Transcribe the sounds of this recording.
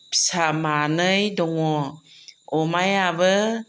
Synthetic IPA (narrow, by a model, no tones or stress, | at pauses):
psamanəjdɔŋɔ | ɔmajabə